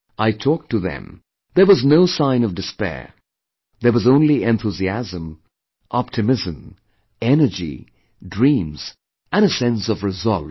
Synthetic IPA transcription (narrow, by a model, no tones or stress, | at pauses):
ʔaɪtʰɔk̚tɨðɨ̰̃m | ðə˞wʌznoʊsãɪ̃nʌvdɨspɛ̰ɹ | ðə˞wʌzõʊ̃nliɛ̃nθuziæzə̃m | ʔɑp̚tʰɨmɪzɨ̃m | ɛnə˞d͡ʒḭ | dɹĩmz̥ | ɨ̃ñəsɛ̃nsʌvɹɨzʌlˠ